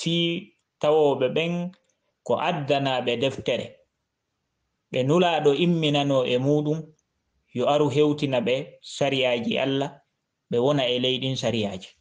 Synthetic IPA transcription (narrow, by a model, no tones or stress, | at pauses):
fiː | tawɔːɓɛɓɛn | kɔ̰ʔadːanaɓɛdɛftɛɾɛ̰ | ɓɛnulaːɗɔʔimːinanɔʔɛmuːɗum | jɔaɾuɦewtinaɓɛsaɾijaːd͡ʒiʔa̰lːa | ɓɛwɔnaɛlejɗinsaɾijaːd͡ʒi